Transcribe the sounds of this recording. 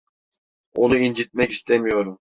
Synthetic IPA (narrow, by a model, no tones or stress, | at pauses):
onuind͡ʒit̪̚mɛkʲist̪ʰɛmijoɾum